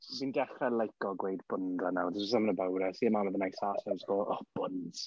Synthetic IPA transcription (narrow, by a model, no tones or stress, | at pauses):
dinɡɛɬrɛlˠajkɔɡwejdb̥ʊndanawdɪɔsamənəbawɾɛsiːmaməðənajsaːsazɡɔɔb̥ʊns